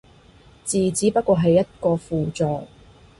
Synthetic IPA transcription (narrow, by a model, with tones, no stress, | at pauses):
t͡siː˨t͡siː˨˥pɐ˥t̚kʷɔː˧ɦɐ˨jːɐ˥t̚kɔː˧fuː˨t͡sɔː˨˧k